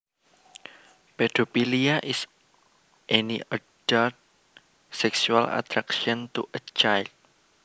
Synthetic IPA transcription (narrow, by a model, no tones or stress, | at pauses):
pɛdopiliaʔis | ʔɛniəd̥ɔt̪̚ | sɛksuala̰t̪ɾakʃɔ̃nt̪uʔət͡ʃajld̚